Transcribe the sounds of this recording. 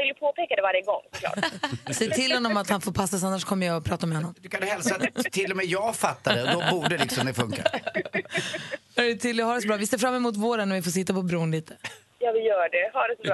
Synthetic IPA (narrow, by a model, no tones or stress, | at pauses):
ɪld̪əpʰoːpʰeːkad̪ɛvaɾjəɡɔŋːsɔkʰlɑ̰ːʈsɛjtʰɪlhɔnːɔmat̪hanfoːɾpʰasːsanːaʂkʰɔmːəjaɔpʰɾɑːt̪aɔmɛhɔnːɔmd̪ʉkʰanhɛlsat̪ʰːɪlːɔmɛjɑːɡfat̪ːad̪ɛd̪ɔbuːɖəlɪksɔmmd̪ɛfɵŋka̰ɾ | aɛt̪ʰɪlːhɑːɖɛs̬ɔbɾɑːvɪseːɾfɾamːɛmuːt̪voːɾənɔvɪfoːʂ̬ɪt̪ːapɔbɾuːnliːt̪ʰə̥ | jɑːvɪjœːɖɛhɑɖɛsɔbɾ